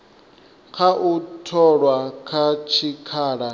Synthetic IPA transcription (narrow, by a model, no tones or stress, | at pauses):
kʰaʔutʰɔɺwakʰat͡ʃʰikʰaːɺa